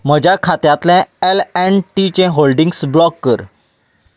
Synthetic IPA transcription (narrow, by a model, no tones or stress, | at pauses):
m̤əd͡ʑakʰat̪jãt̪lɛ̃ɛlɛɳʈit͡ɕɛ̃ɦolɖiŋɡsblɔkːəɾ